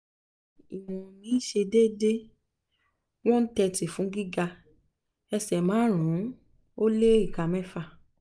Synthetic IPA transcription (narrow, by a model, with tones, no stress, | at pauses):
i˨w̃ɔ̃˨nĩ˨˦ʃe˧de˦de˦ | w̃ɔ̃˦n̩˦tɛ˧ti˨fũ˨˦ɡi˦ɡa˧ | ɛ˧sɛ˨mãː˨˦ɾ̃ũ˨˦ | o˦le˦i˦˨ka˧mɛ̃˦fa˦˧˨